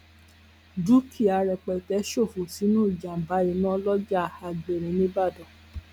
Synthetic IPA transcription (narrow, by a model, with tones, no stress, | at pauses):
du˨˦kʰi˦˨a˧ɾɛ˧k͡pɛ˨tɛ˧˦ʃo˦˨fu˨si˨˦nũ˦i˦˨d͡ʒa˨m̩˨ba˨˦i˧nã˦lɔ˦d͡ʒa˦˨a˧ɡ͡be˨ɾĩ˨nĩ˦ba˦˨dɔ˨